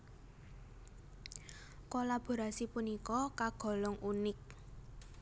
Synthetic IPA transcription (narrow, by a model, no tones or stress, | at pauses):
kolab̥o̤ɾasipunikɔkaɡ̥ɔ̤lɔŋunɪk̚